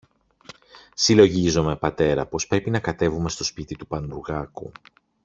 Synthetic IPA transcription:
silo̞ʝizo̞me̞pɐt̪e̞ɾɐ̰po̞spɾe̞pinɐkɐt̪e̞vume̞st̪o̞spit̪it̪upɐnuuɾɣɐkṵ

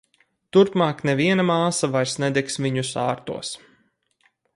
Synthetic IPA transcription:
t̪uɾpmaːknɛviɛnamaːsavajɾsnɛd̪ɛksviɲusaːɾt̪ṵɔs

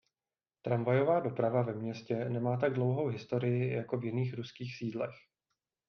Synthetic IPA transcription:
t̪ɾamvajo̞vaːdo̞pɾavavɛmɲɛscɛnɛmaːt̪̬aɡ̚dlo̞wɦo̞wɦɪst̪o̞ɾɪjɪjako̞vjɪniːxɾuskiːxsiːdlɛx

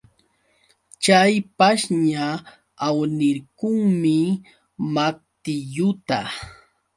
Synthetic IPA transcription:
t͡ʃajpaʃɲa | awnɪɾkʊŋmɪ | mak̚t̪ɪʎʊt̪a

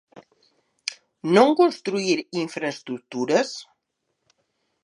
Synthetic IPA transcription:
noŋkonst̪ɾuiɾiɱfɾast̪ɾukt̪uɾəs

